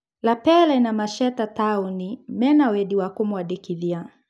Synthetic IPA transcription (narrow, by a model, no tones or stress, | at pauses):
lapɛlɛnamaʃɛtataunimɛnawɛdiwakumwaɗikiðia